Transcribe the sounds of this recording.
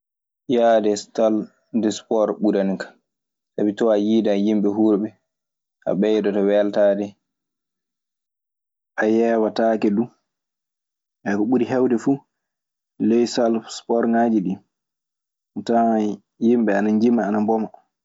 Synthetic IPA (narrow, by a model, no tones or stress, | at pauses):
jadɛstal | dɛspɔɾɓuɾankḁ | sabitɔajiːdajimɓɛɦuːɾɓɛ | ʔa̰ɓɛjdɔtɔwɛltaːdɛ | ʔajɛːwatakɛdu | ʔɛkɔɓuɾiɦɛwdɛfu | lɛjsalfspɔɾŋad͡ʒiɗi | ta | jimɓɛanaɲd͡ʒimːaːnambɔma